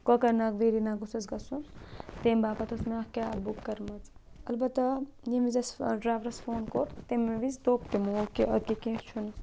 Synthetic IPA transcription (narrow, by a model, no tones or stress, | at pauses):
kokɐɾnakʋeːɾinaɡusɐzɡɐsunt̪embaːpɐt̪ʰosmeɐkʲabukːɐɾmɐt͡s | ɐlbɐt̪ːɐjimizɐsɖɾaːʋɾɐsfoːnkoːɾt̪emːeʋizd̪oːpt̪emokiɐkikẽːt͡ʃʰun